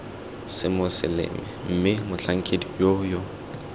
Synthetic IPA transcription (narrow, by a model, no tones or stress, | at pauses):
sɪmʊsɪ̰lɪ̰mɛm̩mɪmʊɬaŋ̩kʰʼedijojɔ